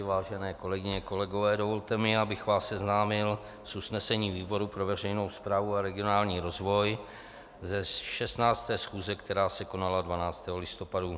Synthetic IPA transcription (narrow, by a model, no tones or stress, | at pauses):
vaːʒɛnɛːko̞lɛɡɪɲɛko̞lɛɡo̞vɛːdo̞vo̞lt̪ɛmɪabɪxvaːssɛznaːmɪl | susnɛsɛɲiːviːbo̞ɾupɾo̞vɛrɛjno̞wspɾaːvuaɾɛɡɪo̞naːlɲiːɾo̞zvo̞j | zɛʃɛst̪naːt͡st̪ɛːsxuːzɛkt̪ɛɾaːsɛko̞naladvanaːt͡st̪ɛːɦolɪst̪o̞padu